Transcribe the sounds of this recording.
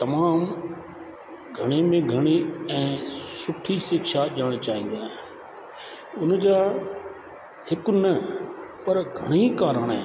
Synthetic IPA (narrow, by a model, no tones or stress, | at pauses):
t̪ɐmaːm | ɡʱɐɽ̃emẽɡʱɐɽ̃iɛ̃ːsʊʈʰisɪkʃaʄəɽ̃t͡ɕaːɦĩn̆d̪iaːɦɪ̃ | ʊnd͡ʑaː | hɪkʊnɐpɐɾɡʱɐɽ̃ikaːɾəɽ̃ɦɛ̰̃ː